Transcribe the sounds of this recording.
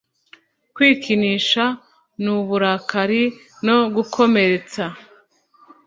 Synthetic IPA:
kwiːkʰiniʃa | nuβuɾakʰaɾi | no̞ɡukʰo̞me̞ɾe̞t͡sa

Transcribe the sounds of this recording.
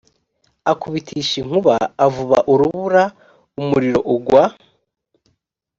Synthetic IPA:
akuβitʰiʃiŋ̥uβa̰ːvuβa̰ʔuɾuβuɾa | umuɾiɾoʔuɡwa

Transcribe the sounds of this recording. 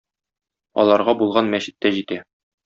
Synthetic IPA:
ɒ̰lˠɑɾʁɑbulˠʁɑnmæɕɘ̆t̪ːæʑit̪æ

